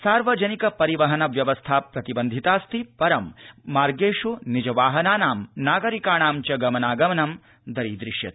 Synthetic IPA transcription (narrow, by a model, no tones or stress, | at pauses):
saːɾʋɐd͡ʒɐnikɐpɐɾiʋɐɦɐnɐʋjɐʋɐst̪ʰaːpɾɐt̪ibɐnd̪ʱit̪aːst̪ʰipɐɾɐmːaːɾɡeːʂunid͡ʒɐʋaːɦɐnaːnaːmnaːɡɐɾikaːɳaːmt͡ʃɐɡɐmɐnaːɡɐmɐnɐm | d̪ɐɾiːd̪ɾiʃjɐ̰t̪i̥